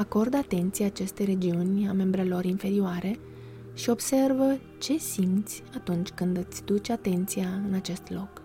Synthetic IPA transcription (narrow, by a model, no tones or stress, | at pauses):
ako̞rd̪at̪e̞nt̪sijaːt͡ʃe̞st̪ejɾe̞d͡ʒiunʲame̞mbɾe̞lo̞ɾinfe̞ɾioaɾe̞ | ʃio̞bse̞rvə | t͡ʃe̞simt̪sʲat̪unt͡ʃʲkɨnd̪ɨt̪sʲd̪ut͡ʃʲat̪e̞nt̪sijaɨnat͡ʃe̞st̪lo̞k